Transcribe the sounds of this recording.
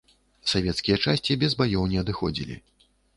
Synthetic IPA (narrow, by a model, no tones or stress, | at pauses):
savʲɛt̪skʲijɐt͡ʂasʲt͡sʲibʲɛzbajɔwnʲɛɐd̪ɨxɔd͡zʲḭlʲḭ